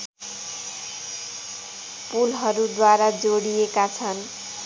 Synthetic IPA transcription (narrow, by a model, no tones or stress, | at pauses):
pulɦʌɾud̪waɾad͡zoɽijekat͡sʰʌn